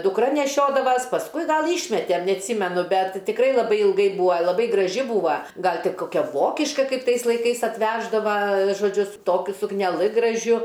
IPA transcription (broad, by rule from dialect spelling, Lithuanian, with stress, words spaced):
dʊkˈrɐ nʲɛˈʃʲoːdɐʋɐs pɐsˈkʊɪ ˈɡɐlˠ ˈiːʃʲmʲɛtʲɛm nʲɛɐtʲˈsʲiːmʲɛnʊ ˈbʲɛt tʲɪkˈrɐɪ lˠɐˈbɐɪ ɪlˠˈɡɐɪ ˈbuːɐ lˠɐˈbɐɪ ɡrɐˈʒʲɪ ˈbuːʋɐ ˈɡɐlˠ ˈtʲɪ ˈkoːkʲɛ ˈʋoːkʲɪʃkɐ ˈkɐɪp ˈtɐɪs lˠɐɪˈkɐɪs ɐtʲˈʋʲæːʒdɐʋɐ ʒoːˈd͡ʒʲʊ sʊ ˈtoːkʲʊ sʊknʲɛˈlˠɨ ɡrɐˈʒʲʊ